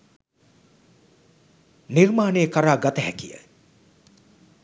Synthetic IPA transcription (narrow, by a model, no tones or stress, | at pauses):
nirmaːnejəkaɾaːɡat̪əɦɛkijə̰